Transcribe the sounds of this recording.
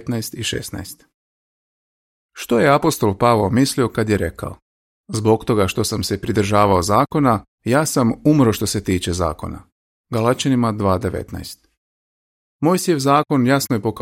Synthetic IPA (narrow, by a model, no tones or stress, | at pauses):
t̪naest̪iʃḛsna̰est̪ | ʃt̪o̞je̞apo̞st̪o̞lpaʋomislio̞kad̪je̞ɾe̞ka̰o | zbo̞kt̪o̞ɡaʃt̪o̞samse̞pɾid̪r̩ʒaːʋaozaːko̞na | jaːsamumɾo̞ʃt̪o̞se̞t̪iːt͡ʃe̞za̰ːko̞̰na̰ | ɡalˠat͡ʃanimad̪ʋaːd̪e̞ʋḛt̪na̰jst̪ | mo̞jsjeʋzaːko̞njasnoje̞po̞k